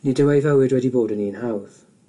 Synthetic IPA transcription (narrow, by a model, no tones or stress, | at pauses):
nidəwɛjvɛwɪdwɛdiboːdəniːnhawð